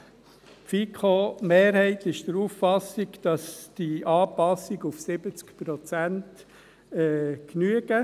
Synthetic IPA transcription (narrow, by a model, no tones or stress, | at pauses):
fikʰomeːɾhɛɪtɪʃd̥̪əɾuːffɑsiɡd̥ɑsd̥iʔɑːpɑsːiɡufsɪbət͡skpɾɔt͡sænt | ɛknyəɡ̥ə